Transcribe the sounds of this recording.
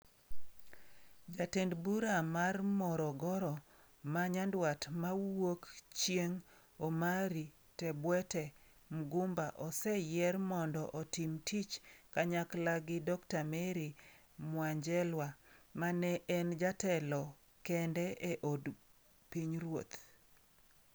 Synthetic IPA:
d͡ʒatendbuɾamarmɔɾɔɡɔɾɔ | maɲandwatmawokt͡ʃjeŋ | omaɾi | tɛbwɛtɛ | mɡumbaʔɔsɛjɛrmɔndɔʔɔtimtit͡ʃkaɲaklaɡɪdɔktameɾi | mwaɲd͡ʒɛlwamanɛʔɛnd͡ʒatɛlɔ | kɛndɛeʔod | piɲɾwo̰t̪

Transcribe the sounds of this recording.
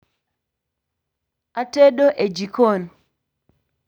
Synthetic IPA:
ateɗoʔed͡ʒikon

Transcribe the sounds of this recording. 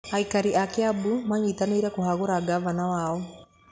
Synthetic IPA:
aikaɾiʔakjabumaɲiːtaniɾekuɦaɣuɾaɡavanawaːo

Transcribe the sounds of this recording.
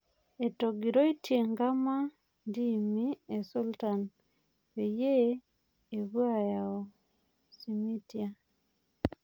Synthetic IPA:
etoɡiɾoitjeŋɡama | ndimiesultan | wejeː | βwajaɔ | simitja

